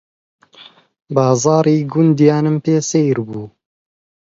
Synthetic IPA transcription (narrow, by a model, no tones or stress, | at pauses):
bɑːzɑːɾiːɡʊnd̪jɑːnɨmpeːsejɾbuː